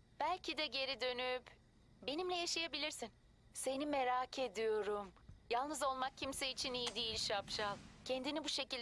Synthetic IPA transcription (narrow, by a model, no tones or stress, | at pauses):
b̥ælʲcʰid̪ɛɟe̞ɾid̪ø̞nyp | be̞nimlʲɛjaʃajabilʲiɾsin | se̞nimeɾaːcʰe̞d̪ijo̞ɾumjalˠnɯzo̞lˠmak̚cʰimseit͡ʃʰinijid̪ijilʲʃapʃalˠcʰɛnd̪inibuʃe̞cilʲ